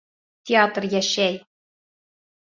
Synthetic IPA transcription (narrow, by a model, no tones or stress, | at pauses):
tʲeɑt̪rjæɕæj